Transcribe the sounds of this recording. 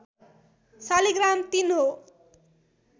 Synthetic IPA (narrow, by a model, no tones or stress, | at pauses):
saliɡramt̪inɦo